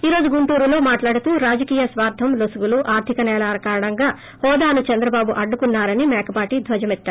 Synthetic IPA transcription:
iːɾo̞ːd͡ʒuɡuɳʈuːɾulo̞ːmaːʈlaːɽut̪uːɾaːd͡ʒɐkiːjɐsʋaːɾd̪ʱːɐmlosuʋuluʔaːɾt̪ʰikɐnɛːlaːɾɐkaːɾɐɳɐŋɡaː | hɔːd̪aːnut͡ʃɐnd̪ɾɐbaːbuʔɐɖːukunːaːɾɐnimɛːkɐbaːʈid̪ʱʋɐd͡ʒɐmɛt̪ːaːɾu

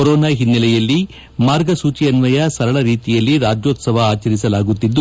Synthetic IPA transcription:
ɔɾoːnaːɦinːɐlɛjɐlːi | maːɾɡɐsuːt͡ʃiɐnʋɐjɐsɐɾɐɭɐɾiːt̪ijɐlːiɾaːd͡ʒjoːt̪sɐʋɐːt͡ʃɐɾisɐlaːɡut̪ːid̪ːu

